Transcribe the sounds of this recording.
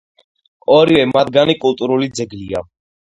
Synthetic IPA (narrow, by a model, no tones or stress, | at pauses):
ɔɾivɛmad̪ɡanikʼult̪ʼuɾulid̪zɛɡlia